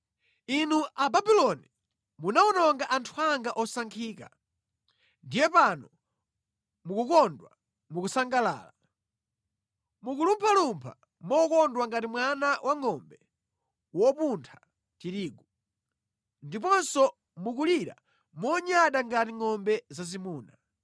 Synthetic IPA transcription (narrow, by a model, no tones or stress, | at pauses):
inuʔababilɔni | munaɔnɔŋɡaʔantʰuaŋɡaʔɔsaŋkʰiːka̰ | ndijɛpanɔ | mukukɔndwa̰ | mukusaŋɡala̰ːla | mukulumpʰalumpʰa̰ | mɔkɔndwaŋɡatimwanawʔaŋɔmbɛ | wɔpuntʰḁ | tiɾiːɡu | ndipɔnsɔ | mukuliɾa̰ | mɔɲaɗaŋɡatiŋɔmbɛzazimuːna